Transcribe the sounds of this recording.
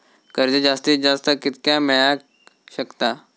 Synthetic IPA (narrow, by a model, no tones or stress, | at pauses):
kəɾd͡ʒed͡ʒaːst̪id͡ʒaːst̪akɪt̪kjamɛja | ʃəkt̪aː